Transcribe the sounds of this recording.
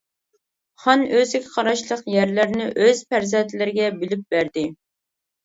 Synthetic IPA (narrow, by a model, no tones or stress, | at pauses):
χɑnøzɪkʲʰɪ̥qʰɑɾɑʃlˠəqjæɾlɪɾnɪʔøz̥pæɾzɛnt̪ʰɪlɪɾɪɡʲɛbɪlyp̚bæɾd̪ɪ